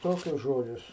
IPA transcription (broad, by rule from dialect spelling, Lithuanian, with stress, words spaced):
ˈtoːkʲʊs ˈʒoːd͡ʒʲʊs